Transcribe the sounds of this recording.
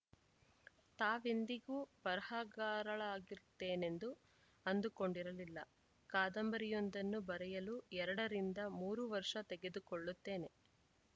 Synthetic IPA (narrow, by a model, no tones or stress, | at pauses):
t̪aːʋend̪iɡuːpɐɾɐhaɡaːɾɐɭaːɡiɾt̪ːe̞ːne̞nd̪u | ɐnd̪uko̞ɳɖiɾɐlilːɐ̰ | kaːd̪ɐmbɐɾijond̪ɐnːubɐɾɛjɐluɛɾɐɽɐɾind̪ɐmuːɾuʋɐɾʂɐt̪eɡe̞d̪ukoɭːut̪ːe̞ːne̞